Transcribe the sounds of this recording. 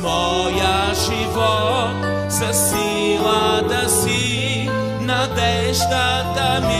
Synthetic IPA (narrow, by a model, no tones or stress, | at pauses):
mɔ | jɐ | ʒivo | sesi | lɐd̪ɐsi | nɐbɛ | ʃt̪ɐ | d̪ɐmi